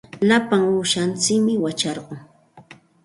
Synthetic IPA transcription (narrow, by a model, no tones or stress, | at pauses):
lapaŋuʃant͡sɪkmɪwat͡ʃɑɾɢoŋ